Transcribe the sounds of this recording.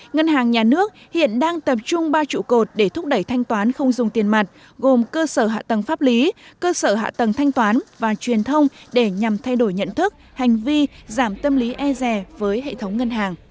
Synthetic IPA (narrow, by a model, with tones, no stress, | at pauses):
ŋə˧nɦaː˨˩ŋɲaː˨˩nɨ˦˥ək̚hḭ˧˨ənɗaː˧ŋt̪ə˨˩p̚t͡ɕʊ˧ŋ͡mɓaː˧t͡ɕṵ˧˨ko˨˩t̚ɗe˧˩t̪ʰʊ˦˥k͡p̚ɗə˧˩jt̪ʰa˧jŋt̪waː˨˦nxə˧wŋ͡mzʊ˨˩ŋ͡mt̪i˨˩ənma˨˩jt̟̚ | ɣo˨˩mkəː˧səː˧˩ɦa̰ː˧˨t̪ə˨˩ŋfaː˦˥p̚li˨˦kəː˧səː˧˩ɦa̰ː˧˨t̪ə˨˩ŋt̪ʰa˧jŋ̟t̪waː˨˦nvaː˨˩t͡ɕwi˨˩ənt̪ʰə˧wŋ͡mɗe˧˩ɲa˨˩mt̪ʰa˧jɗo˧˩jɲə̰˧˨nt̪ʰɨ˦˥k̚ | ha˨˩jŋ̟vi˧zaː˧˩mt̪ə˧mli˨˦ʔɛ˧zɛ˨˩vəː˨˦jɦḛ˧˨t̪ʰə˨˦wŋ͡mŋə˧nɦaː˨˩ŋ